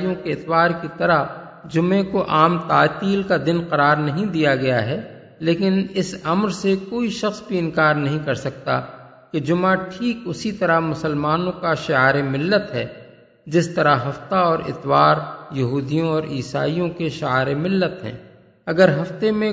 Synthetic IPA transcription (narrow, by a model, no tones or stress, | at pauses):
jõkeɪt̪waːɾkit̪ɐɾəɦ | d͡ʒʊmẽkoʔaːmt̪aːt̪iːlkad̪ɪnqɐɾaːɾnɐɦĩd̪ijaɡɐjaɦɛː | leːkɪnɪsɐmɾsekoːiʃɐxsbʱiɪ̃nkaːɾnɐɦĩkɐɾsɐk̚t̪a̰ | ked͡ʒʊmaʈʰiːkʊsit̪ɐɾamʊsəlmaːnõkaʃɪaːɾemɪlːət̪ɦɛː | d͡ʒɪst̪ɐɾaɦɐft̪aɔːɾɪ̰t̪waːɾjɐɦuːd̪ijõɔːɾiːsa̰ːijõkeʃɪaːɾemɪlːət̪ɦɛ̰̃ː | ɐɡəɾɦɐft̪emẽ